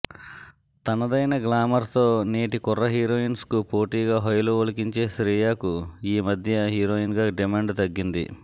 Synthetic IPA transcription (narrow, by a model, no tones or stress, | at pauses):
t̪ɐnɐd̪ɐjnɐɡlaːmɐɾt̪o̞ːneːʈikɔrːɐɦiːɾo̞ːinskupoːʈiːɡaːɦɐjɐluolɐkiɲt͡ʃe̞ːsɾiːjaːkuiːmɐd̪ʱjɐɦiːɾoːjinɡaːɖimaːɳɖt̪ɐɡːind̪ḭ